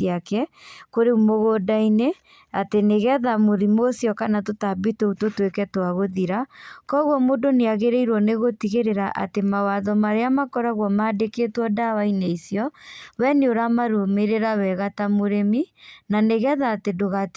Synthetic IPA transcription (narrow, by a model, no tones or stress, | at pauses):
akɛkoɾeumoɣodaine | ateneɣɛðamoðimosjɔkanatotabitoutotwekɛtwaɣoðiɾakɔɣwɔmodoneaɣeɾeiɾwɔneɣotiɣeɾeɾaʔa̰temawaðɔmaɾeamakɔɾaɣwɔmaːdeketwɔdawaineisjɔwɛneoɾamaɾomeɾeɾawɛɣatamoɾeminaneɣɛðaːtedoɣat